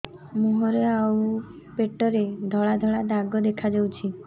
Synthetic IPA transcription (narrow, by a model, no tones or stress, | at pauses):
muɦɔɾeau | peʈɔɾed̪ʱɔɭad̪ʱɔɭad̪aɡɔd̪ekʰad͡ʒɔwt͡ʃʰi